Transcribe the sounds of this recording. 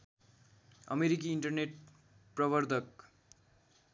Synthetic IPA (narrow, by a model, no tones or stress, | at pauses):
ʌ̰meɾikiːɳʈʌrneʈ | prʌbʌrd̪ʱʌk̚